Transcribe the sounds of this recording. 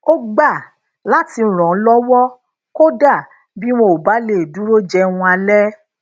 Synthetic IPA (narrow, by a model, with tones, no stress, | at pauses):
o˦ɡ͡ba˦˨ | la˦ti˧˨ɾ̃ɔ̃˨˦lɔ˦wɔ˦ | ko˦da˦˨ | bi˦w̃o˧o˨ba˨˦le˦˨du˦ɾo˦d͡ʒɛ˧wũ˧a˧lɛ˦